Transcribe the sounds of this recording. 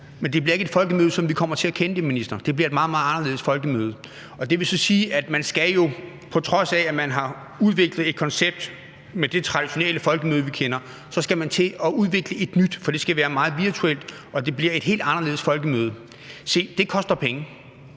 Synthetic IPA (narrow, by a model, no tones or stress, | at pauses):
mend̥e̝b̥liɐeɡ̥ed̥fɒ̽lɡ̥əmøːð̞ˠsɒ̽mʋikʰɒ̽m̰ɐt͡sʰe̝ækʰenəd̥eminisd̥ɐd̥e̝b̥liɐe̝d̥mɑ̈ːðˠmɑ̈ːðˠɑ̈nɐle̝ːð̩ˠsfɒ̽lɡ̥əmøːð̞̩ˠ | ɒ̽d̥e̝ʋe̝sɒ̽siːʔæd̥mænsɡ̥æjo̝ | pʰɒ̽t͡sʰʁɒ̽sææmænɦɑ̈ | uð̞ˠʋe̝ɡ̥lð̞̩ˠe̝d̥̚kʰɒ̽nseb̥̚d̥ | med̥e̝t͡sʰʁɑ̈d̥iɕo̝nel̰əfɒ̽lɡ̥əmøːð̞ˠʋikʰenɐ | sɒ̽sɡ̥æmænt͡sʰe̝ɒ̽uð̞ˠʋe̝ɡ̥ləe̝d̥nyd̥fɒ̽d̥e̝sɡ̥æʋæːɐmɑ̈ːð̞̩ˠʋiɐt͡sʰuel̰d̥ | ʔɒ̽d̥e̝b̥liɐe̝d̥ɦe̝̰ld̥ɑ̈nɐle̝ðˠsfɒ̽lɡ̥əmøːð̞̩ˠ | se̝̰ːd̥e̝kʰɒ̽sd̥ɐpʰeŋə